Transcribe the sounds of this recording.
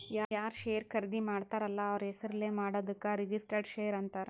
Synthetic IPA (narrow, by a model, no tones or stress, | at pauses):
jaːjaːɾʃeːɾkʰɐɾd̪imaːɽt̪aːɾɐlːaːʋɐɾɦesɐɾɐleːmaːɽoːd̪ɐkːaːɾid͡ʒisʈɐɾɖʃeːɐɾɐnt̪aːɾ